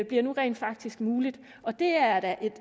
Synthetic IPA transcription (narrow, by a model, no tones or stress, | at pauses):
b̥liɐnuʁɛ̰ːnd̥fɑ̈ɡ̥̚d̥isɡ̥muːlid̥ | ɒ̽d̥e̝æɐd̥æʔe̝d̥